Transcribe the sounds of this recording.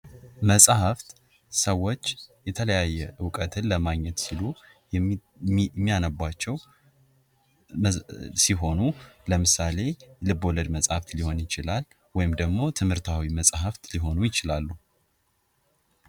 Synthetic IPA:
məsʼhəft̪ | səwːo̞t͡ʃːjɛt̪ʰələjajːɛɨwkʼət̪ʰɨnləmaɡɲɛt̪silu | mːijanəbʷːat͡ʃːɛw | siɦo̞nuləmɨsale̞lɨbo̞ləd̪məsʼhaft̪liho̞njɪt͡ʃɪlal | wɔjɪmd̪əɡmo̞t̪ʰɨmhɨɾt̪ʰawiməsʼɦəft̪liɦo̞nujɪt͡ʃɪlalːu

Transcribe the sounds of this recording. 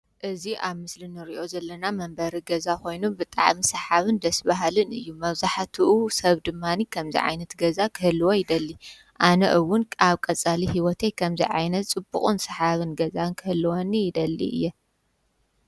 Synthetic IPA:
ʔɨziʔaβmɨslinɨɾiʔo̞zɐlːɐnamɐmbɐɾiɡɐzako̞jnubɨt̪ʼa̰ʕmisɐħaβɨnd̪ɐsbaɦalɨnɨ̰jːumɐβzaħt̪ʰiʔusɐβd̪ɨmːanikʰɐmzḭʕa̰jnɐt̪ɡɐzakʰɨhɨlːɨwojɪd̪ɐlːi | ʔanɐ̰ʔɨwːʊnkʼaβkʼɐt͡sʼaliɦiwɔt̪ʰekʰɐmzḭʕajnɐt̪t͡sʼɨbːuχʼunsɐħaβɨnɡɐzankʰɨhɨlːwonːijɪd̪ɐlːḭɨ̰jːɛ

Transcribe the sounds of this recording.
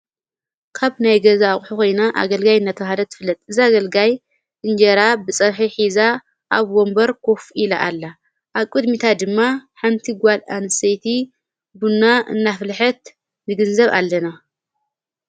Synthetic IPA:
kʰaβnajɡɐzaχʼħuko̞jnaʔa̰ɡɐlɡajɨnːat̪ʰɐβhad̪ɐt̪ʰɨfɨlːɐt̪ʼɨziaɡɐlɡaj | ɨnd͡ʒɐɾabɨt͡sʼɐβħiħiza | ʔaβwo̞mbɐɾkʰo̞fila̰ʔalːa | ʔaβkʼɨd̪mit̪ʰad̪ɨmːaħant̪ʰiɡʷala̰nɨsejt̪ʰi | bunːaɨ̰nːaflħɐt̪̚ | nɨɡɨnzɐβa̰lːɐna

